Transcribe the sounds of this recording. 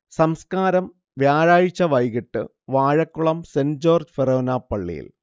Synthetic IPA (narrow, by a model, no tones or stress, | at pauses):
sɐmskaːɾɐm | ʋjaːɻaːɻit͡ɕːɐʋɐjɣiʈːɨ | ʋaːɻɐkːuɭɐmsend͡ʑoːrd͡ʑferoːnapːɐɭːḭjḭl